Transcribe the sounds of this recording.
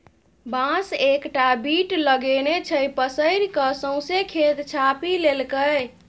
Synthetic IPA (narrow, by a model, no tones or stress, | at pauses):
bãsekʈabiʈləɡenet͡ʃʰəjpəsəɪɾkəsə̃w̃sekʰet̪t͡ʃʰapilelkəj